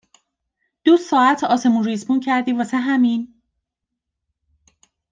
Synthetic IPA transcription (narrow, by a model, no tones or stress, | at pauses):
d̪̥usɒːæt̪ʰɒːse̞munɾiːzbuncʰæɾd̪iːvɒseɦæmin